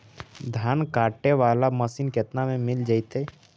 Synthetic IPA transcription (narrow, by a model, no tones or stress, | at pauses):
d̪ʱaːnkaːʈːeʋaːlaməsiːnket̪namẽmɪld͡ʒaːit̪eː